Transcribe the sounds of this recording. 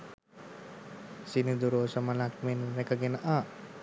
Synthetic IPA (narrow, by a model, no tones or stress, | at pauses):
sinid̪uɾoːsəməlakmenɾekəɡenəʔa